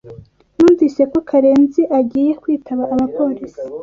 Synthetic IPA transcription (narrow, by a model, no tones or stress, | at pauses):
nuːnviːse̞ko̞kʰaɾe̞ːnziʔaɟiːje̞kwiːtʰaβaʔaβapo̞ːɾisi̥